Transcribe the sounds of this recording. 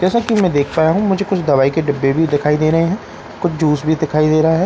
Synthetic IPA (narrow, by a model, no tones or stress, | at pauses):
d͡ʒɛːsakimɛ̃d̪eːkʰpaːjaɦũmʊd͡ʒʱekʊt͡ʃʰd̪ɐβaːikeɖɐbːebʱid̪ɪkʰaːid̪eːɾɐɦeɦɛ̃ː | kʊt͡ʃʰd͡ʒuːsbʱid̪ɪkʰaːid̪eːɾɐɦaɦɛː